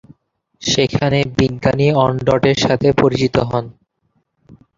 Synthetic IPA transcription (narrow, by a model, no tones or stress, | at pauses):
ʃekʰanebiɡɡaniɔɳɖɔʈeɾʃat̪ʰepoɾit͡ɕit̪oɦɔn